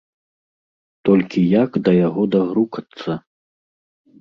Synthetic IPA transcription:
t̪ɔlʲkʲijakd̪ɐjaɣɔd̪aɣɾukɐt̪sːɐ

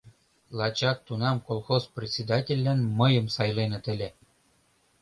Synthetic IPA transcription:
lˠɑt͡ɕɑk̚t̪unɑmkolˠxosprʲet̪ʲt͡sʲed̪ɑtʲĕlʲːænmɤ̆jɤ̆msɑjlenɤ̆t̪ɘ̆lʲĕ

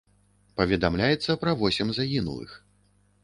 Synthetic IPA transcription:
pɐvʲɛd̪amlʲajɛt̪sːɐpɾɐvɔsʲɛmzaɣʲinṵlˠɨ̰x

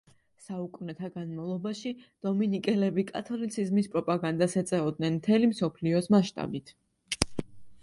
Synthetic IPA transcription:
saukʼvnɛt̪ʰaɡanmavlˠɔbaʃid̪̥ɔminikʼɛlɛbikʼat̪ʰɔlit̪sʰizmispʼɾɔpʼaɡand̪asɛt̪sʼɛɔd̪̚nɛnmt̪ʰɛlimsɔpʰliɔsmaʃt̪ʼa̰bit̪ʰ

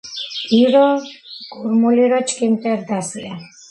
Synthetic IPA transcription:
iɾɔkʼuɾmuliɾɔt͡ʃʰkʼimt̪ʼɛɾd̪asia

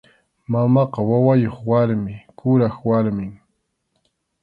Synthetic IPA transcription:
mamɑqɑwawajoχwaɾmɪkʊɾaχwaɾmɪŋ

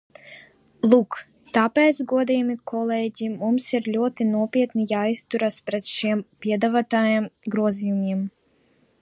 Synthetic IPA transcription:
lˠuːk | t̪apʲɛt̪sɡuɔd̪ijmikʰɔlˠɛːɟʲimumsiɾlʲuɔt̪inuɔpʲiɛt̪nijaːjst̪uɾaspɾɛt̪ʃiɛmpʲiɛd̪avat̪aːjamɡɾuɔzijumʲiɛm

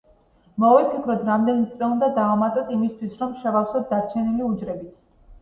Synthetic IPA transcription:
mɔvipʰikʰɾɔt̪ʰɾamd̪ɛnit̪sʼliund̪ad̪aːmat̪ʼɔt̪ʰimist̪ʰwisɾɔmʃɛvafsɔt̪̚d̪aɾt͡ʃʰɛniliud͡ʒɾɛbit̪sʰ

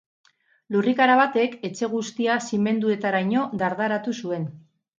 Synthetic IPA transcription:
lurikaɾaβat̪e̞ke̞t͡ʃe̞ɣ̞ust̪iasime̞nd̪ue̞t̪aɾajɲo̞d̪aɾðaɾat̪usue̞n

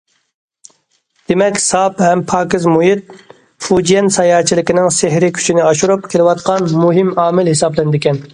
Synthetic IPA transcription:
d̪̥emɛkʲsɑphɛmpʰɑːkɪzmujit̪̚ | fud͡ʒijɛnsɑjɑːt͡ʃʰilɪkʲinɪŋseɦɾɪkʲʰy̥t͡ʃʰinɪɑʃuɾup̚kʲʰelɪwɑt̪qʰɑnmuɦɪmɑːmɪlhɪsɑblˠɪnɪd̪ɪkʲɛn

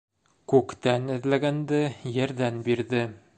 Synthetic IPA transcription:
kʉkt̪ænɘ̆ðlæɡænd̪ɘjɘ̆ɾðænbiɾðɘ

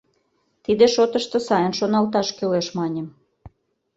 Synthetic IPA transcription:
t̪id̪eʃot̪əʃt̪ɤ̆sɑjənʃonɑlt̪ɑʃkøleʃmɑnʲem

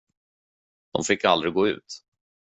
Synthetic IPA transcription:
d̪̥ɔ̰mfɪkːa̰ld̪ɾɪɡoːʉ̟̰ːt̪

